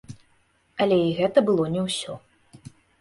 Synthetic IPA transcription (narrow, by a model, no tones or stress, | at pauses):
ɐlʲɛiɣɛt̪ɐbɨlˠɔnʲɛwsʲɔ